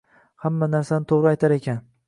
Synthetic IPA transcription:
hamːanaɾsanɪt̪ʰoʁɾɪajt̪ʰaɾe̞kʲʰan

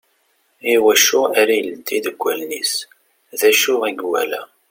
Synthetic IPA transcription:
iwæʃʊaɾajəld̪ːid̪əɡʷːælnis | ðæʃʊʁiɡwæ̰læ

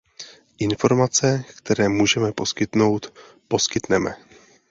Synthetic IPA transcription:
ʔɪnfo̞ɾmat͡sɛkt̪ɛɾɛːmuːʒɛmɛpo̞skɪt̪no̞wt̪ | po̞skɪt̪nɛmɛ̰

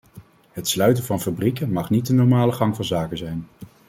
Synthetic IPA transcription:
ɦətslœɥtənvɑnfabrikənmɑχnit̚dənɔɹmaːləχɑŋvɑnzaːkənzɛjn

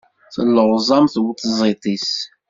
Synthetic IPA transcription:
θəlːəʁzˤɑmθwət̪ːzˤit̪ˤis

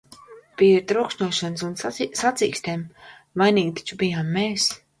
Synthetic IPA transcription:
piɾt̪ɾukʃɲuɔʃɔnsunssat̪sḭːkst̪eːm | vajniːɡ̚t̪i̥t͡ʃubijaːmːeːs

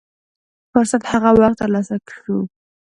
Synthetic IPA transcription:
fʊɾsat̪haɣawaχ̚t̪əɾlɑsakʂu

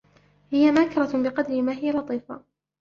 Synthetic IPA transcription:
hɪjamaːkɪɾˤɑbɪqɑd̪ɾɪmaːɦɪjalɑt̪ˤiːfa̰

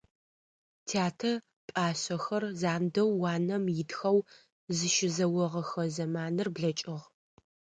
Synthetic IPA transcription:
tʰaːtʰɐ | pʼaːɕɐxɐrzaːndɐwːɑːnɐmjɪdxɐw | zɨʃɪzɐwɔʁɐxɐzɐmaːnɨrbɮɐt͡ʃʼɪʁ

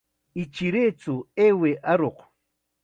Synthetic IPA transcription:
ɪt͡ʃiɾeːt͡sʊeːweʔaɾoq

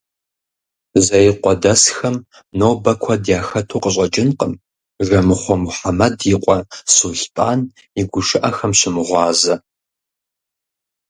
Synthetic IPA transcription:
zɐjqʷɔdɐsxɐm | noːwbɐkʷʰɐdjaːxɐtʰuːqəɕ̬ʼɐt͡ʃʼɪnqəm | ʒɐmɨχʷɔmuħamɐdjɪqʷʼɔsuːɬpʼaːn | iɡʷʊʃɨʔɐxɐmɕɪmɨʁʷɑːzɐ

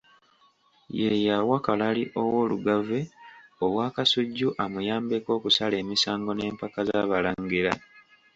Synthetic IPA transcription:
jejawakalaliʔo̞woːluɡaveoβwaːkasuɟːuʔamujaːmbeko̞ːkusale̞ːmisaːŋɡo̞ne̞ːmpakazaβalaŋɡiɾa

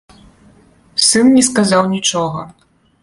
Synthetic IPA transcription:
sɨnnʲɛskazawnʲit͡ʂɔɣɐ

